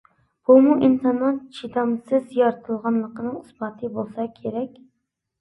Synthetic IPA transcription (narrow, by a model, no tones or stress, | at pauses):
b̥umuʔint̪ʰɑnɑnt͡ʃʰit̪ʰɑmsɨzjɑɾt̪ʰɨlˠʁɑnlˠəqənɨŋusbɑt̪ʰɨbolˠsɑkʲʰeɾɛkʲ